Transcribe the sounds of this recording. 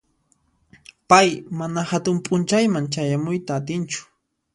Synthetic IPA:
pajmanahat̪ʊmpʼʊnt͡ʃajmaŋt͡ʃajamʊjt̪aːt̪ɪnt͡ʃʊ̥

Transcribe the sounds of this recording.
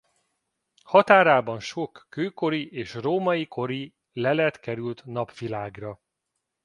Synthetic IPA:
hɒt̪aːɾaːbɒnʃo̞kːøːko̞ɾiʔeːʃroːmɒjiko̞ɾi | lɛlɛt̪kɛɾylt̪nɒpʋilaːɡrɒ

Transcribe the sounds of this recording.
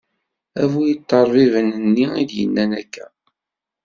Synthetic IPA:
ævujət̪ˤːɑɾˤvivənənːiḭd̪jə̰nːænækːæ

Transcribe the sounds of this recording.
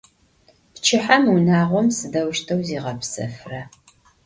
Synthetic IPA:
pt͡ʃʰɪħamunaːʁʷɔmsɨdɐwʃtʰɐwziːʁɐpsɐ̰frɐ

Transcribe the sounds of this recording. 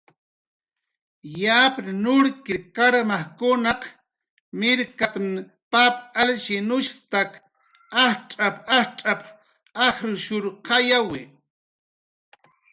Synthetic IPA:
japɾnʊɾkɪkaɾmaχkʊnaq | mɪɾkat̪n | papʼalʃɪnʊʃt̪ak | aht͡ʃʼapaht͡ʃʼap | ɑxɾʊʃʊɾqɑjawɪ

